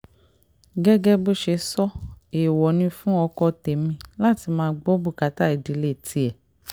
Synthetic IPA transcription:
ɡɛ˦ɡɛ˦bo˦ʃe˧sɔ˦e˨wɔ˨nĩ˧fũ˦ɔ˧kɔ˧te˨mĩ˧la˦˨ti˧˦mãː˦˧˦ɡ͡bo˦bu˦˨ka˨˦ta˦i˨di˨˦le˦˨ti˧ɛ˨

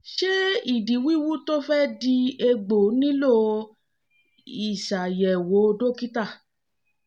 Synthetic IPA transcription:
ʃe˦i˦˨di˨wi˦wu˦to˦fɛ˦di˧e˧ɡ͡bo˨˦nĩ˦lo˦ | i˨ʃa˨jɛ˨wo˨˦o˧do˦ki˦ta˦˨

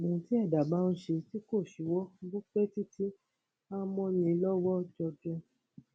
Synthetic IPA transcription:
mũ˨ti˦ɛ˦˨da˨ba˦nũ˧˦ʃe˧ti˦ko˦˨ʃi˨wɔ˦ɡu˦k͡pe˦ti˦ti˦ | a˦mɔ̃˦jĩ˧˦lɔ˦wɔ˦d͡ʒɔ˧dũ˧

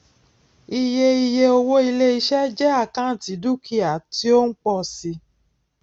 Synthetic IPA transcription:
i˧je˧i˧je˧o˧wo˦i˧le˦i˧ʃɛ˦d͡ʒɛ˦a˦˨kã˦˨ti˨˦du˦kʰi˦a˨ti˦o˦n̩˦k͡pɔ˧˨si˧

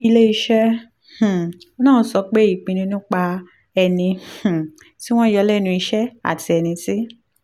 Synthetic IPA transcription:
i˧le˦i˧ʃɛ˦ | h̩˨o˦nãː˦˨˧sɔ˧k͡pe˦i˦˨k͡pĩ˧nĩ˧nũ˦k͡pa˧ | ɛ˧nĩ˧˨ | ti˦w̃ɔ̃˦jɔ˧˦lɛ˦˨nũ˧i˧ʃɛ˦a̰˦˨tʰi˧ɛ˧nĩ˧ti˦

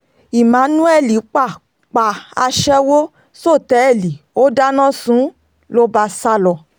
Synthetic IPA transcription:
i˨mã˨˦nũ˦ɛ˦˨li˨˦k͡pa˦˨ | k͡pa˨a˧ʃɛ˦wo˦ | so˦˨tɛ˨ɛ˦˨li˨o˦da˦nã˦sũ˨˦ | lo˦ba˧sa˦lɔ˨

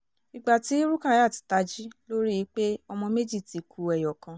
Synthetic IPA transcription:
i˧ɡ͡ba˨ti˨˦ɾu˦ka˦˨ja˦˨ti̥˨ta˧˦d͡ʒi˦lo˦ɾi˦ji˨˦k͡pe˦ɔ˧mɔ̃˧me˦d͡ʒi˦˨ti˨kʰu˨ɛ˨jɔ˨kã˧

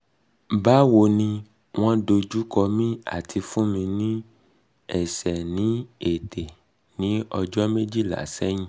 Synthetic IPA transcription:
ba˨˦wo˧nĩ˧ | w̃ɔ̃˦do˧d͡ʒu˦kɔ˧mĩ˦a̰˦˨tʰi˧fũ˦mĩ˧nĩ˦ | ɛ̰˦˨sɛ˨nĩ˨˦e˨tʰe˨ | nĩ˨˦ɔ˧d͡ʒɔ˦me˦d͡ʒi˦˨la̰˨˦˨sɛ˦j̃ĩ˦

